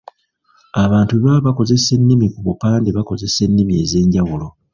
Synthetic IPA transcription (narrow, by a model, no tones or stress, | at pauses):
aβaːntuβaβako̞ze̞se̞nːimikuβupaːndeβako̞ze̞se̞nːimie̞̰ːze̞ːɲɟawulo̞